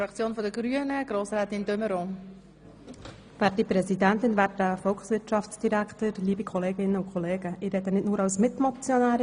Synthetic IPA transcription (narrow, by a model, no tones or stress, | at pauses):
fɾɑkt͡sjoːnfɔdəɡ̥ɾyənəɡ̥ɾoːsɾɛːt̪ɪndøməɾo | ʋæːt̚dipɾɛsidæntɪnvæːtəfɔlksʋɪɾtʃɑfsd̥iɾækt̪əɾliːbikʰɔleːɡɪnːəʊkʰχɔleːɡəʔɪɾɛd̪ənɪtnuːɾɑwsmɪtmɔt͡sjɔnæːɾ